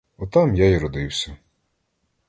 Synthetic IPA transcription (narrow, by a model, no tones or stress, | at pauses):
ɔt̪ɑmjajiɾɔd̪ɪwsʲɐ